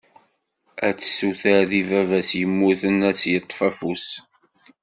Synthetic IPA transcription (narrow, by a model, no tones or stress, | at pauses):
æt͡sːsuθæðivævæsjəmːuθənæsjət̪ˤːfæfus